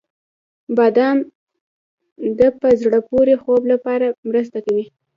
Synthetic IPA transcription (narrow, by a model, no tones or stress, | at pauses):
bɑd̪ɑn | d̪əpəzɽəpoɾexoblapɑɾamɾəs̬t̪akawi